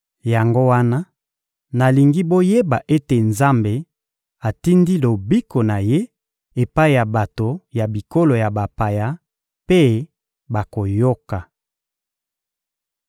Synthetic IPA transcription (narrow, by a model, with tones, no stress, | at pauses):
ja˨ŋɡo˦wa˦na˦ | na˨li˨ŋɡi˦bo˦je˦ba˨ʔe˦te˨nza˦mbe˨ | a˨ti˦ndi˦lo˨bi˦ko˨na˨je˦ | e˨pa˦i˨ja˨ba˨to˨ja˨bi˨ko˦lo˨ja˨ba˨pa˨ja˦ | pe˦ | ba˨ko˨jo˦ka˨